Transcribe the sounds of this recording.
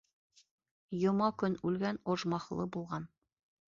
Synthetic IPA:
jŏmɑkɵnʉlɡænŏʒmɑχlˠɤbulˠʁɑn

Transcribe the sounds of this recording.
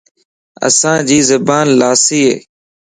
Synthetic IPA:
ə̰sãːd͡ʒiːzəbaːnlaːsiːɦḛː

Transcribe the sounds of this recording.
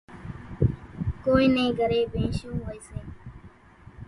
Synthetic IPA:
koːiːnẽːɡʱəɾeːbẽːʃõːɦoeːseː

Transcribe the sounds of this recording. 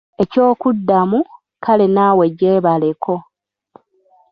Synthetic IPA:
e̞co̞ːkudːamu | kʰalenawe̞ɟe̞ːβale̞kʰo̞

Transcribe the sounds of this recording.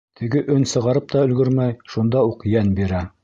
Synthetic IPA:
t̪ʰɘ̆ɡɘʔɵnsɤ̆ʁɑɾɤp̚t̪ɑɵ̆lɡɵɾmæjʃund̪ɑuqjænbiɾæ

